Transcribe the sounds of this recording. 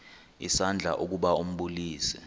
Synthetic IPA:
ḭsand͡ɮʱa̰ʔuk̬uɓaum̩ɓuliːsɛ̰

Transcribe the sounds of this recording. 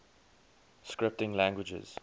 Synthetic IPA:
skɹɪp̚tɪ̃ŋlæ̃ŋɡwɪd͡ʒə̰z̥

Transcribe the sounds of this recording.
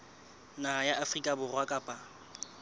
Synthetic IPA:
najaʔafrikʼabʊrwakʼapʼa

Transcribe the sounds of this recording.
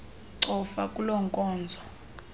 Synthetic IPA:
ǀʰɔfakʼulɔŋkʼɔːnd͡zʱɔ

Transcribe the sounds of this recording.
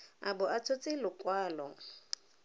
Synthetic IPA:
a̰bʊʔat͡sʰot͡sʼɪlʊkʼwaːlɔ̰

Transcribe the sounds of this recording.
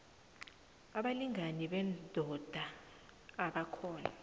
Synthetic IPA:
aɓaliŋʱaniɓɛndʱɔd̥ʱaː | ɓakʰɔːna̰

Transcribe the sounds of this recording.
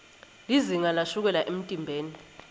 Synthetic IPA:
liziŋalaʃuk̬ɛlaʔem̩tʼimbʱeːni

